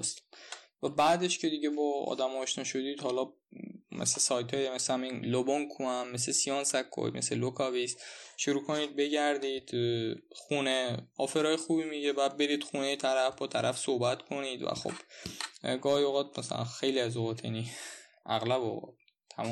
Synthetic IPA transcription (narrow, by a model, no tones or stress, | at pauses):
st̪væbæːd̪eʃcʰe̞d̪iɟebɒːɒ̰ːd̪æmɒːʃnɒʃod̪iːd̪hɒːlɒ | mḛslesɒjt̪ʰɒːjemeshæminloboŋkʰuæmːeslesijɒːnsækʰːo̰jmḛselokʰɒvisʃuɾuːkʰo̞niːd̪̚be̞ɟæɾd̪iːd̪̥xuːne̞ɒːfe̞ɾɒːjexuːbimiɟebæd̪̚be̞ɾiːd̪̥xunejet̪ʰæɾæfbɒːt̪ʰæɾʔæfsohbæt̪kʰo̞niːd̪væ̰xo̰b̥ | ɡɒːhioɣɒːd̪̚mæsæ̰læ̰nxe̞jliæzoɣɒːt̪ʰjæ̰ni | ʔæɣlæboɣɒ̰̥ | t̪ʰæ̰mɒ